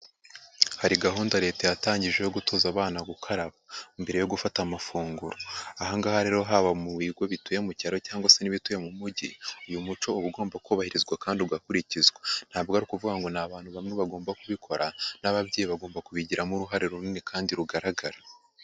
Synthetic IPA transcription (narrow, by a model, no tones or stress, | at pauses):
haɾiɡaɦuːndaɾe̞ːtajataːɲɟiʒe̞jo̞ɡuto̞ːzaβaːnaɡukʰaɾaβaimbe̞ɾe̞jo̞ɡufatamafuːŋɡuɾoahaŋɡahaɾe̞ɾo̞ɦaβamuwiːɡwo̞βituje̞mucaɾo̞caːŋɡwaseniβituje̞mumuɟiujumut͡ʃo̞uβuɡo̞ːmbakʰuβahiɾizɡwakaːndiuɡakuɾicizɡwen̥haːbɡoaɾikuvuɡaŋɡo̞naβaːn̥huβamŋe̞βaɡo̞ːmbakuβikʰo̞ɾanaβaβɟeːjiβaɡo̞ːmbakuβiɟiɾamuɾuɦaɾeɾuninekʰaːndiɾuɡaɾaɡaɾa